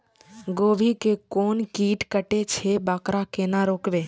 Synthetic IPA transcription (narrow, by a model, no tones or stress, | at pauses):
ɡoːʋʱikekoːnkiːʈkəʈet͡ʃʰebaːkɾakenaɾoːkʋeː